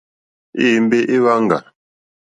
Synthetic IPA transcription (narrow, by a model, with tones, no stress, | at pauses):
iː˦˨m̩˦be˦ʔe˦ɣa˦ŋ̩˨ɡa̰˨